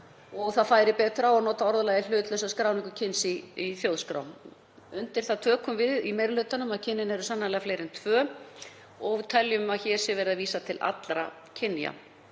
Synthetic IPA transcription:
ɔɣθaðfaːjɾɪpɛːt̪ɾawaðnɔːt̪aɔɾðalaːjðɪl̥ʏːt̪lœsaskɾaːwnɪŋkʏcʰɪnsɪiθjowðskɾa̰wn | ʏnt̪ɪɾ̥θaðt̪ʰœːkʏmvɪðimejɾʏlʏːt̪anʏmaðcʰɪnːɪnɛɾʏsanːalɛːɣafleːjɾɪnt̪ʰvœː | ɔɣvt̪ʰɛljʏmaðçɛːɾ̥sɪvɛːɾɪðaviːsat̪ʰɪlʔa̰t̪lɾa̰ | cʰɪnːja̰

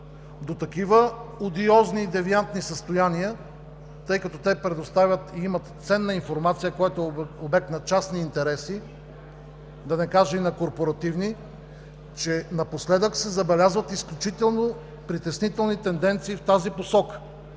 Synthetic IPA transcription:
d̪ot̪ɐkivəod̪iɔzniːd̪ɛviant̪nisəst̪ojaniə | t̪ɤjkɐt̪ɔt̪ɛpɾɛd̪ost̪avʲət̪iimɐt̪t̪sɛnːɐinfoɾmat̪sijəkojɛt̪oɛobɛk̚t̪nɐt͡ʃasniːnt̪ɛɾɛsi | d̪ɐnɛkaʒɛinɐkoɾpoɾɐt̪ivni | t͡ʃɛnɐposlɛd̪əksɛzɐbɛlʲazvət̪isklʲut͡ʃit̪ɛlˠno | pɾit̪ɛsnit̪ɛlˠnit̪ɛnd̪ɛnt̪siːft̪aziposɔkə̥

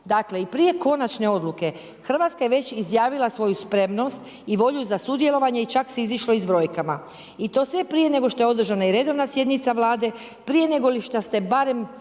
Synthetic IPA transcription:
d̪akle̞ipɾije̞ko̞nat͡ʃne̞o̞d̪lˠuke̞ | xr̩ʋat̪skaje̞ʋe̞t͡ɕizjaːʋilasʋo̞juspɾe̞mno̞st̪ | iʋo̞ʎuzasud̪je̞lo̞ʋaɲe̞it͡ʃakseiziʃlo̞izbɾo̞jkama | it̪o̞ːsʋe̞pɾije̞ne̞ɡo̞ʃt̪o̞jeo̞d̪r̩ʒanaiɾe̞d̪o̞ʋnasje̞d̪nit̪saʋlˠaːd̪e̞ | pɾije̞ne̞ɡo̞liʃt̪ast̪e̞baɾe̞m

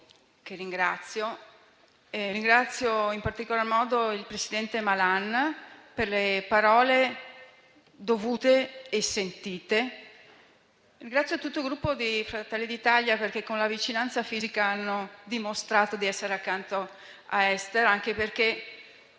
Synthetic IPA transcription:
k̟eriŋɡɾat̪sːjo | eriŋɡɾat̪sːjoimpart̪ikolarmɔːd̪oilpɾesid̪ɛnt̪emalanperlepaɾɔːle | d̪ovuːt̪eːsent̪iːt̪e | rĩŋɡɾat̪sjot̪ːut̪ːoilɡɾupːod̪ifɾat̪ɛlːid̪it̪aʎjaperk̟ekːonlavit͡ʃinant̪safiːzikaanːod̪imost̪ɾaːt̪od̪iɛsːeɾeakːant̪o | a̰ɛst̪eɾaŋk̟eperk̟e

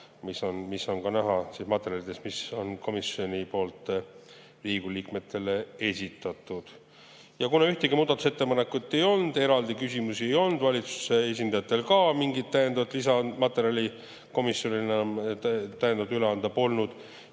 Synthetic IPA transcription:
miso̞nmisːo̞nkɑnæɦɑsismɑt̪ːˑe̞ɾjɑlid̪e̞smiso̞nko̞misjo̞nʲipo̞ːlt̪ːˑ | riːɡuliːkme̞t̪ːˑe̞lee̞sʲit̪ːˑɑt̪ːˑud̪̥ | jɑkunɑyht̪eɡimuːd̪ɑt̪u̥set̪ːe̞pɑne̞kːut̪ːe̞jo̞lnd̪̥e̞ɾɑld̪ikysʲimusie̞jo̞lnd̪̥vɑlʲit̪su̥sees̬ʲind̪ɑjɑt̪ːˑe̞lkɑmiŋɡit̪t̪ːæjend̪ɑvɑt̪ːˑlisɑnmɑt̪ːˑe̞ɾjɑlʲi | ko̞misjo̞nienɑ | t̪æjed̪ɑvɑd̪yleɑnd̪ɑpo̞lnud̪̥

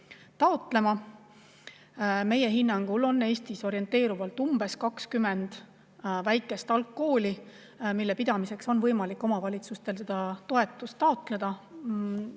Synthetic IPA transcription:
t̪ɑo̞t̪ˑle̞mɑ | me̞je̞ɦinːɑŋɡ̥ulo̞nːe̞ːst̪iso̞ɾie̞nt̪ːˑe̞ːɾuvɑlt̪ːˑumb̥e̞skɑkskyme̞nd̪̥ | væjkːˑe̞st̪ɑlkːo̞ːlʲi | milːe̞pid̪̥ɑmise̞kso̞nvɤjmɑlikːˑo̞mɑvɑlʲit̪sust̪e̞lse̞d̪ɑt̪o̞e̞t̪ːˑust̪ːɑo̞t̪ˑle̞d̪̥ɑ

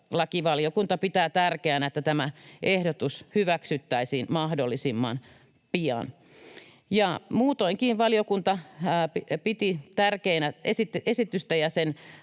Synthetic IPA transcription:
lɑkiʋɑljokunt̪ɑpit̪æːt̪ærkeænæet̪ːæt̪æmæʔehdot̪ushyʋæksyt̪ːæisiːnmɑhdolːisimːɑ̰n | piɑ̰n | jɑmuːt̪oiŋkiːnʋɑljokunt̪ɑipit̪it̪ærkeːnæesit̪ʔesit̪yst̪æjɑsen

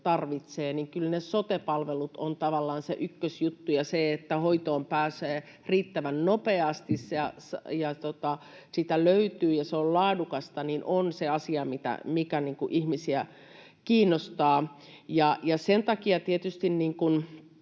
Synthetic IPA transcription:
t̪ɑrʋit̪seːniŋkylnesot̪epɑlʋelut̪ont̪ɑʋɑlːɑːnsḛʔykːøsjut̪ːujɑseet̪ːæhoit̪oːmpæːseː | riːt̪ːæʋænnopeɑst̪isjɑsɑjɑt̪ot̪ɑ | sit̪æløyt̪yːjɑseollɑːdukɑst̪ɑninʔonseɑsiɑmit̪æ̰mikæniːŋkuʔihmisiæ | kiːnːˑost̪ɑː | jɑjɑsent̪ɑkiɑt̪iet̪yst̪inniːŋkun

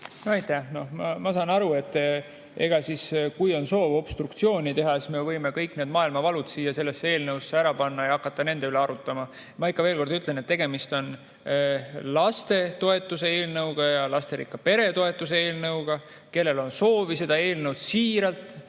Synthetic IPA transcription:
noɑjt̪æhno̞hmɑmɑsɑːnɑɾue̞t̪ː | e̞̰ɡ̥ɑsiskujo̞nso̞ːvo̞b̥st̪rukt̪sio̞ːnʲit̪e̞ɦɑesme̞vɤjme̞kɤjkːˑne̞ːd̪mɑːilmɑvɑlud̪siːjːɑse̞lːe̞sːee̞ːlnɤwsːeæɾɑpɑnːɑjɑɑkːˑɑt̪ːˑɑne̞nd̪̥eyleɑɾut̪ːˑɑmɑ | mɑikˑːɑve̞ːlko̞rɾd̪yt̪ˑle̞net̪ːe̞ɡ̥e̞mist̪o̞n | lɑst̪e̞t̪o̞e̞t̪ːˑuse̞eːlnɤwɡ̥ɑjɑlɑst̪e̞ɾḭkːɑpe̞ɾe̞t̪o̞e̞t̪ːˑuseeːlnɤwɡ̥ɑ | ke̞lːe̞lo̞nso̞ːvise̞d̪̥ɑe̞ːlnɤwd̪̥siːɾɑlt̪ˑ

